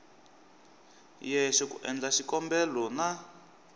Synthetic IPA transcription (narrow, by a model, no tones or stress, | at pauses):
jɛʃɔkuʔɛ̰nd͡ɮaʃikɔmbɛlɔna